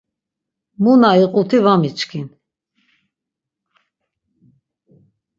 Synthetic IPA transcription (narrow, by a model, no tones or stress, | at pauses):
munaiqʼut̪ʰivamit͡ʃkʰin